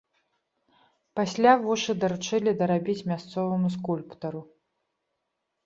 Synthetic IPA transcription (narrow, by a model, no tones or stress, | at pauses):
pasʲlʲavuʂɨd̪ɐɾut͡ʂɨlʲid̪ɐɾabʲit͡sʲmʲast̪sɔvɐmuskulʲpt̪ɐɾu